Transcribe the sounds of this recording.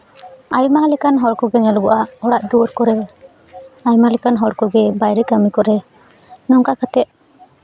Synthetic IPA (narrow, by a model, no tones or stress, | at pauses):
ajmalɛkanɦɔɽkɔɡɛŋɛlɔɡɔʔaʔɔɽaʔd̪uɾkɔɾɛ | ajmalɛkanɦɔɽkɔɡɛbajɾɛkamikɔɾɛ | nɔŋkakat̪ɛʔ̚